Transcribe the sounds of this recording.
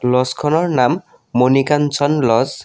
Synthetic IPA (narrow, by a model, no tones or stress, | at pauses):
lɔskʰɔnɔɹnamː | onikansʰɔnlɔz